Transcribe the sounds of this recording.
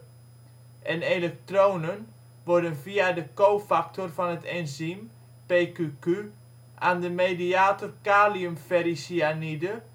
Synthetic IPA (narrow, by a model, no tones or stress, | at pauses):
ʔɛnelɛk̚trownən | ʋʊrdənviadəkowfak̚torfɔnətʰɛnzim | pekyky | ʔaːndəmediaːtorkaːliumfɛɾisianidə